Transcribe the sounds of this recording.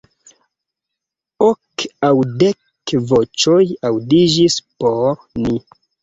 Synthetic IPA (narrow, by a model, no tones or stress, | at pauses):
okawdek | vot͡ʃojawdid͡ʒispoɾni